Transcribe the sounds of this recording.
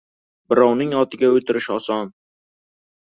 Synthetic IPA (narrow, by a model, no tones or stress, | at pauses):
bɪɾɒwnɪŋɒt̪ʰɪɡʲaɵt̪ʰɪɾɪʃɒsɒn